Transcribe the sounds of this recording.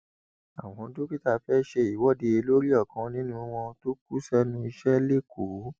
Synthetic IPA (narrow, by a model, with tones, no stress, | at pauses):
a̰˨w̃ɔ̃˨˧˦do˦ki˦ta˦˨fɛ˦ʃe˧i˨wɔ˨˦de˧e˧lo˦ɾi˦ɔ˦˨kã˨˧nĩ˦nũ˧˦w̃ɔ̃˧to˦k̚u˦sɛ˦nũ˦i˧ʃɛ˦le˦˨ku˨˦